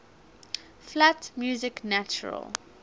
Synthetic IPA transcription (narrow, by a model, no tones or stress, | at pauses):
flatmjuːzɪknat͡ʃə̰ɹə̰l